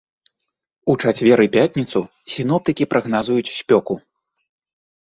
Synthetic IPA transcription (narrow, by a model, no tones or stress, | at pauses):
ut͡ʂat͡sʲvʲɛɾɨpʲat̪ʲnʲit̪su | sʲinɔp̚t̪ɨkʲipɾɐɣnazujut͡sʲsʲpʲɔku